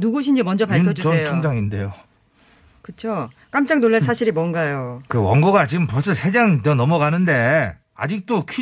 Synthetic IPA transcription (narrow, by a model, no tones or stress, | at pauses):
nuɡoɕ̬ʰind͡ʑimʌnd͡ʑʌpaɭkʰʌd͡ʑut͡ɕʌejʰoŋd͡ʑaŋinde̞jo | kɯt͡ɕʰok͈amt͡ɕ͈aŋnoɭːesʰaɕʰiɾimwʌnɡajokɯwʌŋɡoɡat͡ɕiɡɯmpʌɭs̬͈ʌsʰed͡ʑaŋt͡ɕʌnʌmʌɡanɯnde̞ | a̰d͡ʑik̚t͈okʰi